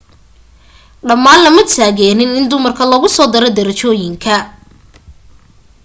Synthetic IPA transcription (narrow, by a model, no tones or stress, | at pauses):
ɖɐmːaːnlɐmɐt̪ʰaːɣɛːnɪnɪnd̪ʊmɐrkʰɐlɔːɣʊsɔːd̪ɐɾɔd̪ɐɾɐt͡ʃɔːjɪŋkʰɐ